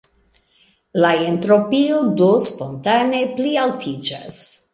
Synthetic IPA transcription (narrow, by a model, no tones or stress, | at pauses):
laentɾo̞piodospontane̞plialtʰid͡ʒa̰s